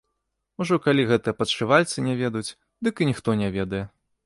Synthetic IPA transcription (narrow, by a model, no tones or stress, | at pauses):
uʐɔkalʲiɣɛt̪ɨjɐpɐt̪ʂɨvalʲt̪sɨnʲavʲɛd̪jut͡sʲ | d̪ɨkɨnʲixt̪ɔnʲavʲɛd̪ɐjɛ